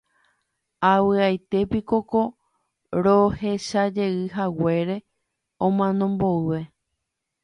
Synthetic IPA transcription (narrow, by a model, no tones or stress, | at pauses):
awɨajt̪e̞piko̞ko̞ | ɾo̞he̞ʃad͡ʒe̞ɨɦawe̞ɾe̞ | õmãnõ̞mbo̞ɨʋe̞